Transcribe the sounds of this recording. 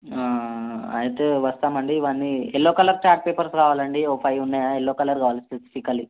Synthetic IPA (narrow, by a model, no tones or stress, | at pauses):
aːɐ̰jt̪eʋɐst̪aːmɐɳɖiʋaːnːielːoːkɐlɐɾt͡ʃaːɾʈ̚peːpɐɾskaːʋaːlɐɳɖioːpʰɐjunːaːjaelːoːkɐlɐɾkaːʋaːlispesi̥fʰikːɐli